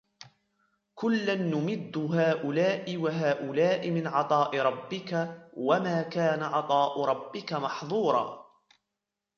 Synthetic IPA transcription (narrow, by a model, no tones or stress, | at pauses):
kʊlːanːʊmɪd̪ːʊɦaːʔʊlaːʔɪwaɦaːʔʊlaːʔɪmɪnʕɑt̪ˤɑːʔɪɾˤɑbːɪkawamaːkaːnaʕɑt̪ˤɑːʔʊɾˤɑbːɪkamɑħðˤuːɾˤɑ̰ː